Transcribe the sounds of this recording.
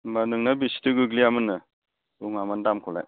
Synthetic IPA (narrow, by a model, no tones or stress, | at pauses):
manɯŋnabisi̥tɯɡɯɡliamɯnːɯ | uŋamandamkʰɔla̰j